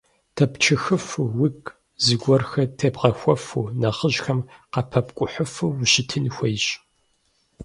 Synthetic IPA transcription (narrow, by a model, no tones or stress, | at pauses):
tʰɐpt͡ʃʰɨxɨfuwɪkʼ | zɨɡʷɔrxɐtʰɐbʁɐxʷɔfuːnɐχəʑxɐmqɐpʰɐpkʷʼʊħʊfuwʃɪtʰɨnxʷejɕʼ